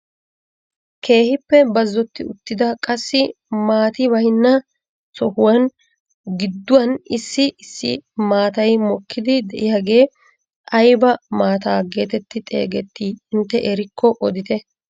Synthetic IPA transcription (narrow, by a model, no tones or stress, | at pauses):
ke̞ːhɪpːɛbɐzːɔt̪ːɪʊ̰t̪ːɪd̪ɐkʼɐsːɪ | maːt̪ɪbɐjnːɐ | sɔhʊwɐn | ɡɪd̪ːʊwɐnɪsːɪɪsːɪ̰maːt̪ɐjmɔkːɪd̪ɪd̪ɛʔɪjaːɡe̞ː | ʔɐjbɐmaːt̪aːɡe̞ːt̪ɛt̪ːɪt̪ʼe̞̰ːɡɛt̪ːiːɪnt̪ːɛʔɛɾɪkːɔʔɔd̪ɪt̪ɛ